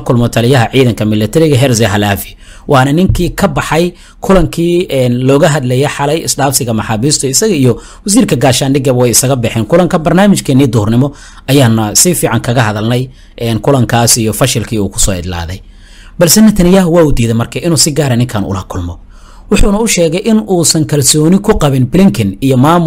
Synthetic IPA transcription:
kʰʊlmɔt̪ʰɐlɪjɐɦɐʕiːðɐŋkʰɐmɪlːɐt̪ʰɐɾɪɣɐɦɛrsɛɦɐlaːfɪ | wʔɑːnɐnɪŋkʰiːkʰɐbɑħɑj | kʰʊlɐŋkʰiːɛːnlɔːɣɐɦɐðlɛjɛħɑlɛjɪsɖaːfsɪɣɐmɑħɑːβiːst̪ʰɔɪsɐɣɐijɔ | wɐs̬iːrkʰɐɡaːʃaːnɖɪɡɐβwɛjɪsɐɣɐbɛħɛːnkʰʊlɐŋkʰɐbɐrnaːmɪʃkʰɛnːiːd̪ʊhrnɪmɔ | ɐjaːnːɐsɪfiːʕɑŋkʰɐɣɐɦɐðɐlnɛj | ʔɛːnkʰʊlɐŋkʰaːsijɔfɐʃɪlkʰiːuːkʰʊ̥sɔ̰ːɪ̰d̪la̰ːðɛj | bɐlsɛnɐt̪ʰɐnɪjaːɦwɑːʊd̪iːðɛmɐrkʰɐɪnuːsɪɡaːɾɐnɪŋkʰaːnʔʊ̰lɐkʰʊlmɔ | wʊħuːnɐʊʃɛːɣɛjʔɪnuːsɐŋkʰɐlsɔːnɪkʰʊqɑβɪnblɪŋkʰɛnijɔmaːmʊ

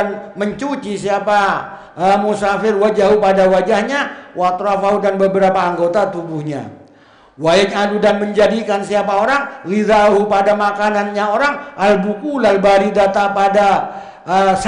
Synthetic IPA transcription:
nməɲt͡ʃut͡ʃisiapa | əmusafɪrwad͡ʒaɦupadawad͡ʒahɲawat̪ɾafaɦudanbəbəɾapaːŋɡot̪at̪ubuhɲa̰ | waɪɲadudanməɲd͡ʒadikansiapaoɾaŋliðaɦupadamakananɲaoɾaŋalbukulalbaɾidat̪apada | əs

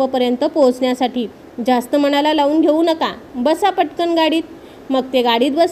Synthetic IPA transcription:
əpəɾjənt̪əpot͡sɳjasaʈiː | d͡zast̪əm̤əɽ̃alalaʋuːnɡʱeuːnəkabəsapəʈkəɳɡaɽiːt̪̚ | məɡ̚t̪eɡaɽiːt̪̚bəs

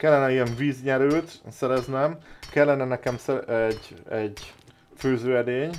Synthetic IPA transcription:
kɛlːɛnɛiɛɱviːzɲɛɾylt̪sɛɾɛznɛmkɛlːɛnɛnɛkɛmsɛɛɟɛɟ | føːzøːɛd̪eːɲ

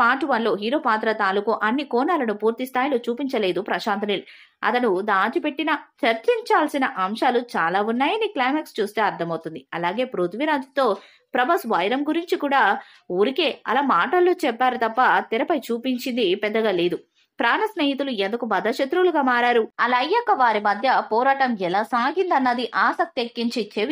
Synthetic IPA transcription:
paːʈuʋɐnlo̞ːɦiːɾo̞ːpaːt̪ɾɐt̪aːlukuʔɐnːikɔːnaːlɐnupuːɾt̪ist̪ʰaːjlo̞ːt͡ʃuːpiɲt͡ʃɐle̞ːd̪upɾɐʃaːnt̪ʰɐnilu | ɐ̰t̪ɐnud̪aːʈipe̞ʈːinɐt͡ʃɐɾt͡ʃiɲt͡ʃaːlsinɐʔɐmʃaːlut͡ʃaːlaːunːaːjɐniklajmekst͡ʃuːst̪e̞ːɐɾt̪ʰɐmɐwt̪und̪iɐlaːɡe̞ːpɾut̪ʰʋiɾaːd͡ʒt̪o̞ː | pɾɐbɐsʋɐjɾɐmɡuɾiɲt͡ʃikuːɽaː | uɾike̞ːɐ̰laːmaːʈɐlːoːt͡ʃɛpːaːɾut̪ɐpːɐt̪iɾɐpɐjt͡ʃuːpiɲt͡ʃind̪ipɛd̪ːɐɡaːleːd̪u | pɾaːnɐsneːjit̪uluend̪ukubɐd̪ɐʃɐt̪ɾuluɡaːmaːɾaːɾuɐlɐjːɐkːɐʋaːɾimɐd̪ʱjɐpɔːɾaːʈɐmɛlaːsaːɡind̪ɐnːɐd̪iʔaːsɐk̚t̪iekːiɲt͡ʃit͡ʃeʋi

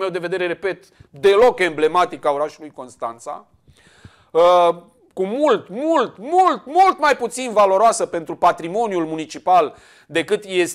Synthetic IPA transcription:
me̞wd̪e̞ve̞d̪e̞ɾe̞ɾe̞pe̞t̪d̪e̞lo̞ke̞mble̞mat̪ikaoɾaʃulujko̞nst̪a̰nt̪sa̰ | ə | kumult̪mult̪mult̪mult̪majput̪sinvalo̞ɾoasəpe̞nt̪ɾupat̪ɾimo̞njulmunit͡ʃipal | d̪e̞kɨt̪je̞s

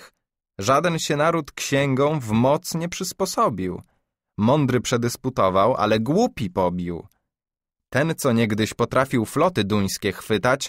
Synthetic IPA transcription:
ʐad̪ɛnɕɛnaɾut̪kɕɛŋɡɔ̃w̃vmɔt̪sɲɛpʂɘspɔsɔbʲiw | mɔnd̪ɾɘpʂɛd̪ɘsput̪ɔvawʔa̰lɛɡwupʲipɔbʲiw | t̪ɛnt̪sɔɲɛɡd̪ɘɕpɔt̪ɾafʲiwflɔt̪ɘd̪uj̃skʲɛxfɘt̪at͡ɕ

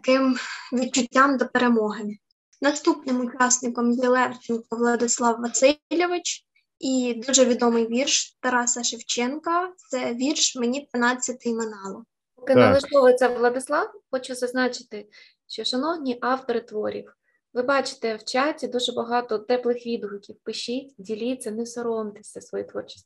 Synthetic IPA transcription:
t̪ɐkɪmʋʲid̪̚t͡ʃʊtʲːɑmd̪ɔpeɾemɔɦɪ | nɐst̪upnɪmʊt͡ʃɑsnɪkɔmjɛlˠɛwt͡ʃʲinkɔʋlˠɐd̪ɪslˠɑwːɐsɪlʲɔʋɪt͡ʃ | id̪uʒɛʋʲid̪ɔmɪjʋʲirʃt̪ɐɾɑsɐʃɪwt͡ʃɛnkɐt̪sɛʋʲirʃmenʲid̪ʋɪnɑt͡sʲːɐt̪ɪmɪnɑlˠɔ | pɔkɪɐlˠɪʒk̪ɔʋɔt̪sʲɛʋlˠɐd̪ɪslˠɑwxɔt͡ʃʊzɐznɑt͡ʃɪ̥t̪ɪ | ʃt͡ʃɔʃɐnɔwnʲiʔɑwt̪ɔɾɪt̪ʋɔɾʲḭw | ʋɪbɑt͡ʃɪ̥t̪ɛwt͡ʃatʲd̪uʒɛbɐɦɑt̪ɔt̪ɛplˠɪxʋʲid̪ɦʊkʲiwpɪʃɪtʲdʲilʲit͡sʲːɐnɛsɔɾɔmt̪ɪ̥sʲɐsʋɔjit̪ʋɔrt͡ʃɪ̥sʲt̪ʲ

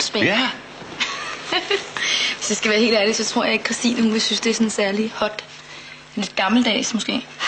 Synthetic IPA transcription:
sb̥e | ʋe̝sd̥e̝sɡ̥æʋæːɐe̝̰ːl̥æɐlid̥sɒ̽t͡sʰʁo̝ɐ̰jɑ̈e̝ɡ̥̚kʰʁɑsd̥ḭːnəhuisynsd̥e̝æɐsɔ̽nesæɐlihɒ̽d̥ | nle̝d̥̚ɡ̥ɑ̈ml̩d̥ɛ̰ːsmɔ̽sɡ̥e̝̰ː

